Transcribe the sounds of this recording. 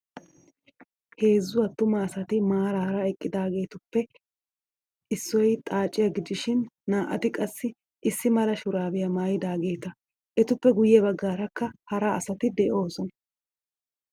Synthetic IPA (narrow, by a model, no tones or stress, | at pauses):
he̞ːzːʊwɐt̪ːʊmɐːsɐt̪ɪmaːɾaɾɐɛkʼːɪd̪aːɡe̞ːt̪ʊpːɛ | ʔɪsːɔjt̪ʼaːt͡ʃʼːɪjɐɡɪd̪ɪʃɪnːaːʔɐt̪ɪkʼɐsːɪ | ʔɪsːɪmɐɾɐʃʊɾaːbɪjɐmaːjɪd̪aːɡe̞ːt̪ɐ | ʔɛt̪ʊpːɛɡʊjɛβɐɡːaːɾɐkːɐhɐɾaɐsɐt̪ɪd̪ɛʔo̞ːsɔnɐ